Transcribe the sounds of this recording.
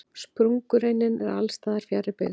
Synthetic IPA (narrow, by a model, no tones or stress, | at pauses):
spɾuŋkʏɾejnːɪnɛɾa̰lst̪aːðaɾ̥fjaɾɪpɛɣ